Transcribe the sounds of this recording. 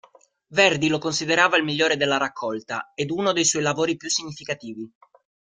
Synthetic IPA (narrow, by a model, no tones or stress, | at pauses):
vɛrd̪ilokonsid̪eɾaːvailmiʎːoːɾed̪elːaɾakʰːɔlt̪a̰ed̪unod̪ejswɔjlavoːɾipjusːiɲːifikat̪iːvi